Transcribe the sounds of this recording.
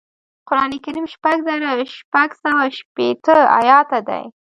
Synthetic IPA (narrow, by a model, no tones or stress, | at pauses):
qʊɾɑnekaɾimʃpaɡzaɾaʃpaɡsawaʃpet̪əa̰jɑt̪ad̪a̰j